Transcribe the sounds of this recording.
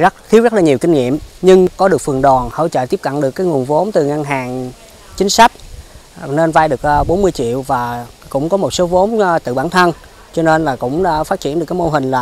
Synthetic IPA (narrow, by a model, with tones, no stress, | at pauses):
zə˦˥t̚xʰi˨˦əwzə˦˥t̚laː˨˩ɲ˨˩wkï˧ŋ̟ŋḭ˧˨əmɲɨ˧ŋkɔ˨˦ɗɨ˨˩ək̚fɨ˨˩əŋɗɔ˨˩nhə̰˧˨t͡ɕə̰ː˧˨t̪i˦˥p̚kə̰˧˨nɗɨ˨˩əkːaː˨˦jŋu˨˩ənvo˨˦mt̪ɨ˨˩ŋa˧ŋɦaː˨˩ŋ | t͡ɕï˨˦ŋ̟sa˦˥k̟̚ | ne˧nvaː˧jɗɨ˨˩ək̚ːɓo˨˦nmɨ˧jt͡ɕḭ˧˨əwvaː˨˩kʊ̰˧˥ŋ͡mkɔ˨˦mo˨˩t̚so˨˦vo˨˦mt̪ɨ̰˧˨ɓaː˧˩nt̪ʰə˧n | t͡ɕɔ˧ne˧nlaː˨˩kʊ̰˧˥ŋ͡mfaː˦˥t̚t͡ɕi˧˩ənɗɨ˨˩əkːjmo˧ɦï˨˩ŋ̟laː˨˩